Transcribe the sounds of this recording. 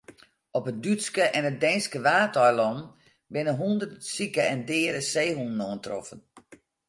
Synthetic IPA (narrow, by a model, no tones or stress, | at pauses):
ɔpət̚dytskəʔɛnət̚dɛjnskəʋaːtɔjlɔm | bɪnəɦundərsikəɛndɪːɾəseːhunnɔəntrɔ̰fən